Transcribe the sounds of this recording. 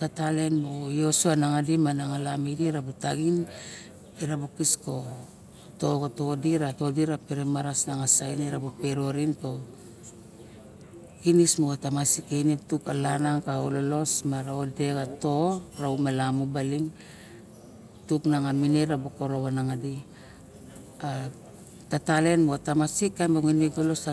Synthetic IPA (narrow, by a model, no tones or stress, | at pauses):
tatale̞nbojo̞soanaŋadimanaŋalamidiɾabutaɡin | iɾabokisko̞ | toɡoto̞diɾato̞diɾapeɾemaɾasnaŋasajneɾabopeɾo̞ɾinto̞ | kinismoɡatamasikejnetukalanaŋkaololo̞smaɾaode̞ɡato̞ɾaumelamubaliŋ | tuknaŋamineɾaboko̞ɾo̞βanaŋadi | a | tatale̞nmoatamasikːamboŋiniɡolo̞sa